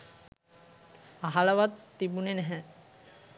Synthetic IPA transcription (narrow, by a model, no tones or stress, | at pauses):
aɦalaʋat̪ːibunenɛɦɛ